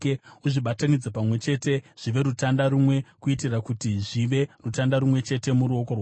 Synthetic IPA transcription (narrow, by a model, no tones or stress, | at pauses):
uʐiɓatanid͡zepamwe̞t͡ʃe̞te̞ʐ̥iʋe̞ɾutandaɾumwe̞kuitirakutiʐiʋe̞rutandaɾumwe̞t͡ʃe̞te̞muɾuo̞ko̞rwa